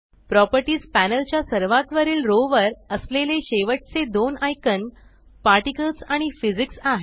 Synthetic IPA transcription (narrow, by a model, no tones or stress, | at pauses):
pɾɔpəɾʈiːspænəlt͡ɕjasəɾʋat̪ʋəɾiːlɾoʋəɾəsleleɕeʋəʈ̚t͡sed̪onajkən | paɾʈikəlsaɽ̃ifid͡ziksaɦe